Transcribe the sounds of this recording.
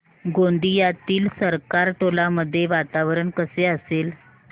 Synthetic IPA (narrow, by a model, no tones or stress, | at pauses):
ɡõnd̪ijat̪iːlsəɾkaɾʈolaməd̪ʱːjeʋat̪aʋɾəɳkəseəsel